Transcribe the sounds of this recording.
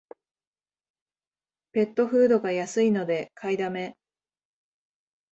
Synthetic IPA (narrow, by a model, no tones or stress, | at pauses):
pe̞t̪ːo̞ɸɯ̟ːd̪o̞ɡajasɨino̞d̪e̞kʰaid̪ame̞